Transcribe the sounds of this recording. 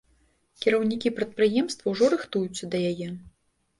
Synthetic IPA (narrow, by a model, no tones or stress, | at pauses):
kʲiɾɐwnʲikʲipɾɐt̪̚pɾɨjɛmst̪vɐwʐɔɾɨxt̪ujut̪sʲːɐd̪ɐjajɛ